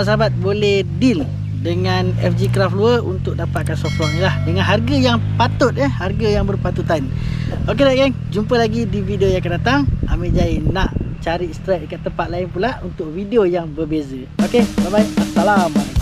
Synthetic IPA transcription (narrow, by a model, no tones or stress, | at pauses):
s̬əɦabat̪̚bolɛhdil | dəŋanɛfd͡ʒikɾafluəunt̪ʊk̚dapat̪̚kansɔft̪lwɔʔnilahdəŋanɦarɡajaŋpat̪ʊt̪̚əharɡajaŋbərpat̪ut̪anokedaʔkaŋ | d͡ʒumpəlaɡidivideojaŋkədat̪aŋameʔd͡ʒainaʔt͡ʃaɾist̪ɾɛk̚kat̪ːəmpat̪laɪnpulaʔunt̪ʊk̚videojaŋbərbezə | okebabaik̚at̪alam